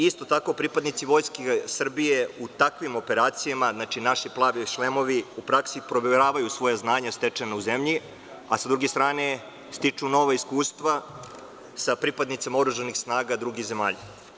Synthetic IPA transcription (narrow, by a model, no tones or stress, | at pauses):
ist̪o̞t̪ako̞pɾipad̪nit̪siʋo̞jskesr̩bijeut̪akʋimo̞pe̞ɾaːt̪sijamaznat͡ʃinaʃiplˠaːʋiʃlemo̞ʋiupɾaksipɾo̞ʋeeɾaːʋajusʋo̞jaznaːɲast̪e̞t͡ʃenauzemʎi | asad̪ɾuɡest̪ɾaːne | st̪it͡ʂuno̞ʋaiskuːst̪ʋa | sapɾipad̪nit̪semaoɾuʒanixsnaːɡad̪ɾuɡiɣze̞maːʎa